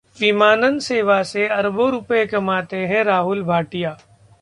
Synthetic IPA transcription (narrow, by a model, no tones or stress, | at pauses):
ʋimaːnənseːʋaseɐɾbʱõɾʊpekɐmaːt̪eɦɛ̃ɾaːɦʊlbʱaːʈijaː